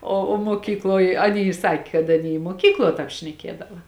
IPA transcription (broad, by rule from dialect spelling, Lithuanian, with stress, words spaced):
oː oː muɔˈkʲiːklˠoːj ɐˈnʲiː ˈsɑːkʲeː kɐt ɐˈnʲiː ɪ muɔˈkʲiːklˠuɔ ˈtɑːp ʃʲnʲɛˈkʲiɛdɐʋɐ